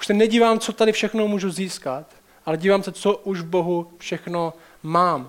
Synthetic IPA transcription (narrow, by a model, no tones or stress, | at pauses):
u̥ʃsɛnɛɟiːvaːmt͡sot̪adɪfʃɛxnomuːʒuziːskat̪ | ʔalɛɟiːvaːmsɛt͡soʔuʒvbo̞ɦufʃɛxno̞ | maːm